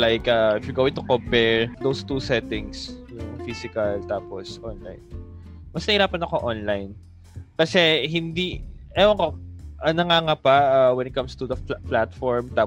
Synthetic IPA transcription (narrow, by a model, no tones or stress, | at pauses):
lajkʔɐɪfjuɡoːwɪt̪ʊkompɛɹd̪owst̪usɛt̪ɪ̃ŋsjʊŋfisɪkɐlt̪aːposʔɔnla̰jnmɐsnɐhiɾaːpɐnɐko̞ʔonlajn | kɐsɛɦɪnd̪iʔɛoɐkoʔɐnɐŋaŋapɐawɛnɪt̪̚kɐmst̪ud̪ɐplat̪fɔɹmt̪aː